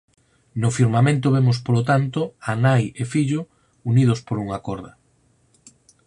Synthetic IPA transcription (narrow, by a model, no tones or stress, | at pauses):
nofiɾmamẽnt̪oβemʊspolot̪ant̪oanajefiʎo | unið̞ospoɾuŋakɔɾðɐ